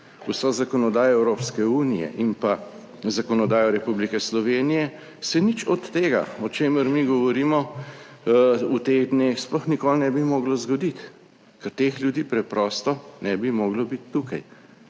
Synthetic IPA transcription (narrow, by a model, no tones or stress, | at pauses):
usɔzakɔnɔd̪aːjɔɛwɾoːpskɛuːnijɛ̰ʔimpa | zakɔnɔd̪aːjɔɾɛpublikɛslɔʋeːnijɛ | sɛnit͡ʃɔt̪ːeːɡa̰ɔt͡ʃeːməɾmiɡɔʋɔɾiːmɔ | ut̪eɣd̪neːxsplɔxnikolnɛbimɔːɡlɔzɡɔd̪it̪ | kɛɾt̪exljud̪iːpɾɛpɾɔːst̪ɔnɛbimɔːɡlɔbit̪ːukaj